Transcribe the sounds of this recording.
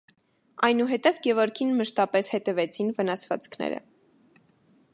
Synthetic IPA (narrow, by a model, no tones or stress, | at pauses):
ɑjnuɦɛt̪ɛvɡɛvɔɾkʰinməʃt̪ɑpɛshɛt̪ɛvɛt͡sʰinvənɑsvɑ̰t͡skʰnɛ̰ɾə̰